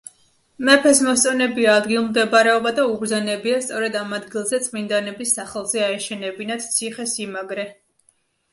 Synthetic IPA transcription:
mɛpʰɛsmɔst̪sʼɔnɛbiaːd̪ɡilˠmd̪ɛbaɾɛɔbad̪auɡɾzanɛbiast̪sʼɔɾɛd̪amad̪ɡilˠzɛt̪sʼmind̪anɛbisːaχɛlˠzɛaɛʃɛnɛbinad̪̥t̪sʰiχɛsimaɡɾɛ

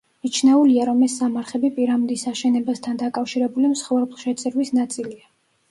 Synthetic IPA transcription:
it͡ʃʰnɛuliaɾɔmɛsːamaɾχɛbipʼiɾamd̪isaʃɛnɛbast̪ʰand̪akʼafʃiɾɛbulimsχɔvɾblˠʃɛt̪sʼɛɾwisnat̪sʼilia

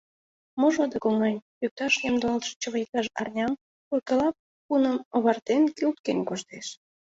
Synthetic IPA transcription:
moʒod̪əkoŋɑnʲjyk̚t̪ɑʃnʲemd̪olt̪ʃe̥t͡ɕəβək̚t̪ɑʃɑ̰rnʲɑm | kurkəlɑp̚ | punənoβɑrt̪enkylt̪̚kenʲkoʃt̪eʃ

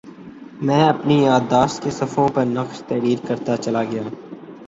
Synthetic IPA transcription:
mɛ̃ːɐpnijaːd̪ːaːʃt̪kesɐfʰõpɐɾnɐqʃt̪ɛːɾiːɾkɐɾt̪at͡ʃɐlaɡɐjaː

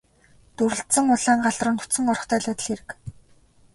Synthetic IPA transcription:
t̪uɾɘ̆ɬt̪sə̆ŋʊɮaːŋɢaɮrə̆nt̪ʰu̥t͡sɘ̆ŋɔrɞ̆χt̪ʰœːɮat̪ə̆ɮxeɾɘ̆k

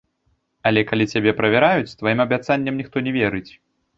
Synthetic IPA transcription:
ɐlʲɛkalʲit͡sʲabʲɛpɾɐvʲɛɾajut͡sʲst̪vajimɐbʲat̪sanʲːɛmnʲixt̪ɔnʲɛvʲɛɾɨt͡sʲ

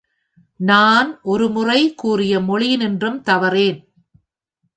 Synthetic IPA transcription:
naːnʔɔɾɯmʊrɐɪkuːrɪjɐmɔɭɪnɪndrɯmt̪ɐʋɐreːn

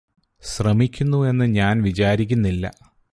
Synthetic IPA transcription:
ɕrɐmikʲːunːue̞nːɨɲaːnʋit͡ɕaːɾik̬ʲːunːilːɐ̰

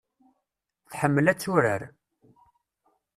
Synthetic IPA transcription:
θħəmːəlæt͡sːʊɾə̰ɾ

